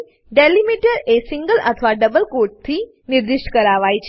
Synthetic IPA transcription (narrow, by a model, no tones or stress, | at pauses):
ɖelimiʈəɾesiŋɡəlʔə̰t̪ʰəʋaɖəbəlkoʈ̚t̪ʰiː | niɾd̪iʂʈə̥kəɾaʋajt͡ɕ